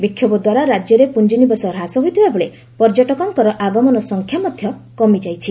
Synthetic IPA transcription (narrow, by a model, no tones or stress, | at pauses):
bikʰjɔbɔd̪waɾaɾad͡ʒjɔɾepund͡ʒinibɔsɔɾɦasɔɦojt̪ʰibaboɭe | pɔɾd͡ʒɔʈɔkɔŋkɔɾɔʔaɡɔmɔnɔsɔŋkʰjamɔd̪ʱjɔkɔmid͡ʒajt͡ʃʰi